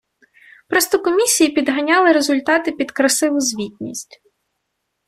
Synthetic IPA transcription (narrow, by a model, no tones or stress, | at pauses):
pɾɔst̪ɔkɔmʲisʲijipʲid̪ɦɐnʲɑlˠɪɾezʊlʲt̪ɑt̪ɪpʲid̪kɾɐsɪʋʊzʲʋʲitʲnʲisʲtʲ